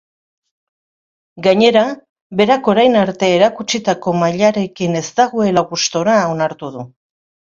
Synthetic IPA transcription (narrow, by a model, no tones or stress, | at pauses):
ɡaɲe̞ɾa | βe̞ɾako̞ɾajnaɾt̪e̞ːɾakut͡ʃit̪ako̞maʎaɾe̞kine̞zt̪aɣoe̞laɣust̪o̞ɾaonaɾt̪uðu